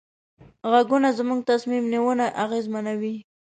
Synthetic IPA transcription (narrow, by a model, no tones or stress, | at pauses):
ɣaɡunazmuŋɡ̚t̪asmimniwənaʔaɣezmanawi